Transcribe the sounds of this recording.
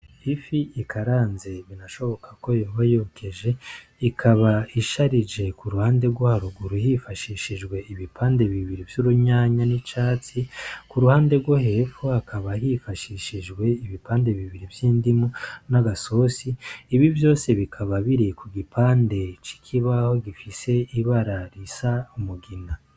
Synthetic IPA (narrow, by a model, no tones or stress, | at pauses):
ifiikʰaɾaːnze̞βinaʃo̞βo̞kʰḁko̞joːβajokʰe̞ʒe̞ikʰaβaiʃaɾid͡ʒe̞kuɾuhaːnde̞ɾɡwohaɾuɡuɾuhifaʃiʃiʒɡwe̞iβipʰaːnde̞βiβiɾivjuɾuɲaːɲanit͡ʃaːt͡sikuɾuhaːnde̞ɾɡwohefuhakaβaɦifaʃiʃiʒɡwe̞iβipaːnde̞βiβiɾivjiːndimunaɡaso̞siːβivjo̞ːse̞βikʰaβaβiɾikuɡipaːnde̞t͡ʃi̥kʰiβaho̞ɡifise̞iβaɾaɾisaumuɡina